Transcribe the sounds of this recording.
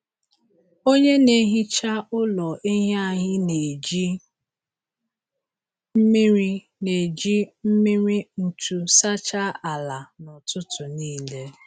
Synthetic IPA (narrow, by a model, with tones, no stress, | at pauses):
o˦ɲe˦ne˦ɦi˦t͡ʃa˦ʔʊ˦lɔ˨ʔe˦ɦa˦˨ɦɪ˦ne˨d͡ʒi˦ | m̩˦mi˦ɾi˦ | ne˨d͡ʒi˦m̩˦mi˦ɾi˦n̩˨tu˦sa˦t͡ʃa˦a˨la˨nʊ˨tʊ˦tʰʊ˨niː˦˨le˦